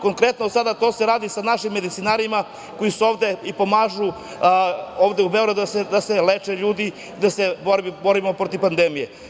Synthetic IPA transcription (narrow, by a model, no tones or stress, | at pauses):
ko̞ŋkɾe̞t̪nosad̪at̪o̞ːse̞ɾaːd̪isanaʃimːe̞d̪it̪sinaɾima | ko̞jisuo̞ːʋd̪eipo̞maːʒu | oːʋd̪eube̞oɾad̪sd̪aselet͡ʃeʎuːd̪i | id̪aseboɾbo̞ɾimopɾot̪ipand̪emije̞